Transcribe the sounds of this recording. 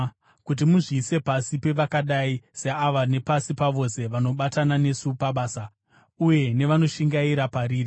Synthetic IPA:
kut̬imuʐiːse̞pasipe̞ʋakaɗaiseaʋane̞pasipaʋo̞se̞ʋano̞ɓatanane̞supaɓaːsa | uje̞ne̞ʋano̞ʃiŋɡaiɾapaɾiːri

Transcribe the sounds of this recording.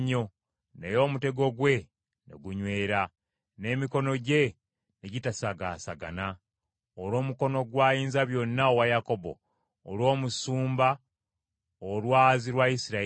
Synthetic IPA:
ɲo̞ | nejo̞ːmute̞ɡo̞ɡwe̞ | ne̞̰ɡuɲwe̞ːɾa | ne̞ːmiko̞no̞ɟe̞ | neɟitasaɡa̰ːsaɡa̰na | oɾo̞ːmuko̞no̞ɡwaːjiːnzaβjo̞nːaowajako̞bo̞̰ː | lwo̞ːmusuːmba | olwaːziɾwaisiɾa

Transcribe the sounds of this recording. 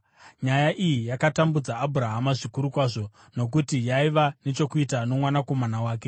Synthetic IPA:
ɲajaʔijijakatambud͡zaːbʱuɾaɦamaʐikuɾukwaːʐo̞ | no̞k̬utijaiʋane̞t͡ʃo̞kuitano̞mwanako̞manawaːk̬e̞

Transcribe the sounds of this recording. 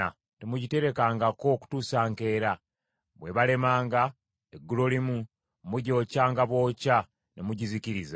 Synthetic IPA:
a | temuɟite̞ɾe̞kaːŋɡako̞ːku̥tuːsaːŋke̞ːɾa | βwe̞βale̞maːŋɡa | eɡːulolimu | muɟo̞ːcaːŋɡaβwo̞ːca | ne̞muɟiziciɾiza

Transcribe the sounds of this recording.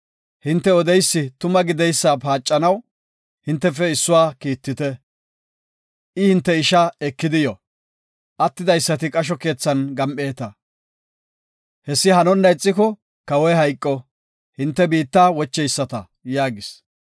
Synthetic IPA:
hɪnt̪ːɛɔd̪ɛjsːɪt̪ʊmɐɡɪd̪ɛjsːɐpaːt͡ʃʼːɐnɐw | hɪnt̪ːɛfɛɪsːʊwaːkiːt̪ːɪt̪ɛ | ʔɪhɪnt̪ːɛɪʃɐɛkːɪd̪ɪjɔ | ʔɐt̪ːɪd̪ɐjsːɐt̪ɪkʼɐʃ̬ɔke̞ːt͡sːɐnɡɐmʔe̞ːt̪ɐ | hɛsːɪɦɐnɔnːɐɪt͡sʼːɪkɔ | kɐwɔjɦɐjkʼːɔ | hɪnt̪ːɛbiːt̪ːaːwɔt͡ʃːɛjsːɐt̪ɐ | jaːɡɪs

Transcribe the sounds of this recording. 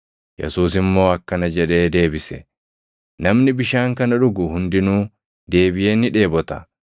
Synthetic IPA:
jɛ̰suːs̬ɪmːo̞ːɐkːɐnɐd͡ʒɛᶑe̞ːd̪e̞ːbɪsɛ | nɐmnɪbɪʃaːŋkɐnɐᶑʊɡʊhʊnd̪ɪnuː | d̪e̞ːbɪje̞ːnːɪᶑe̞ːbɔt̪ɐ̰

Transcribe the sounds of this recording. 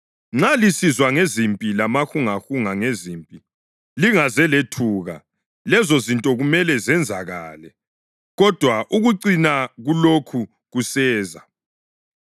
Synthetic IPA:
ŋ͡ǁalisizwaŋezimpʼilamaxuŋaxuŋaŋeziːmpʼi | liŋazɛletʰuɣa̰ | lɛzozintʼɔɣumɛlɛzɛnd͡zʱaɣaːlɛ | ɣɔd̥ʱwaʔuɣuǀinaɣulokʰu | ɣusɛːza

